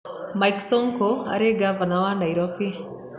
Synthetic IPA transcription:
majksɔŋkoa̰ɾeɡavanawaɳɖajɾɔfi

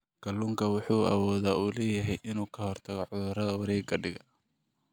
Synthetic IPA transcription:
ɡ̥ʰɐlːuːŋkʰɐwʊħuːʔɐ̰wɔːðaːuːlɛːjɐɦɛjʔɪnuːkʰɐɦhɔrt̪ʰɐɣɔʕʊðʊrɐðɐwɐɾɛːɡɐɖɪɣɐ

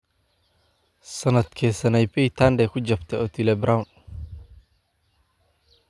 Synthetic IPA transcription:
sɐnɐd̪kʰɛːsɐnɛjpɛjt̪ʰaːnd̪ɛkʰʊd͡ʒɐbt̪ʰɛɔːt̪ʰilɛbɾawn

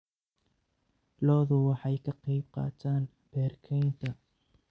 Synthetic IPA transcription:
lɔːðʊwɑħɑjkʰɐqɑjb̚qɑ̰ːt̪ʰaːn | b̥ɛːrkʰɛjnt̪ʰɐ

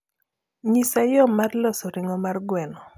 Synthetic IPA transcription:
ɲisajɔmarlɔsɔɾɪŋɔmarɡwɛnɔ

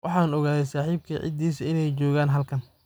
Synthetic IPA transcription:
wʔɑħɑːnɔɣaːðɛjsaːħiːb̚kʰiʕɪ̰d̪iːsɐɪnɛjt͡ʃɔːɣaːnɦɐlkʰɐn

